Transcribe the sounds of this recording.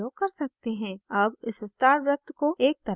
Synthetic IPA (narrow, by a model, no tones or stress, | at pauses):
okɐɾsɐk̚t̪eɦɛ̃ːɐbɪssʈaːɾbɾʊt̪ʰkoʔeːk̚t̪ɐ